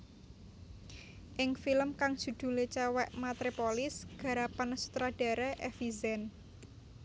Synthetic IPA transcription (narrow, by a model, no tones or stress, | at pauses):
ʔɪŋfiləmkaŋ̥ʒ̥ṳd̪̥ṳlet͡ʃɛwɛʔmat̪ɾipolɪsɡ̥ä̤ɾapansu̥t̪ɾaɖ̥a̤ɾɛʔɛfizɛn